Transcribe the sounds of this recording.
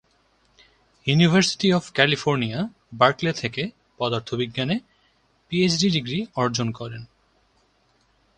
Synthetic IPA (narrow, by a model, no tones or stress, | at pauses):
junibʱaɾsi̥ʈiɔbkɛlifoɾnia | baɾklet̪ʰeke | pɔd̪aɾt̪ʰobiɡːane | piet͡ɕɖiɖiɡɾiɔɾd͡ʑonkɔɾen